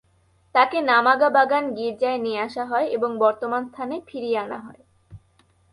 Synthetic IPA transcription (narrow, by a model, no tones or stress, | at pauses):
t̪akenamaɡabaɡanɡiɾd͡ʑaenieaʃaɦɔeʔeboŋbɔɾt̪omanst̪ʰanefʰiɾieana̰ɦɔe